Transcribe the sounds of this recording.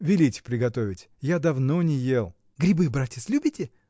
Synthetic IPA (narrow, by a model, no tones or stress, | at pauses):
vʲɪlʲitʲɪpɾʲɪɡɐt̪o̞vʲɪtʲ | jad̪ɐvnonʲɪjelˠ | ɡɾʲɪbɨbɾatʲɪt̪slʲubʲɪtʲɪ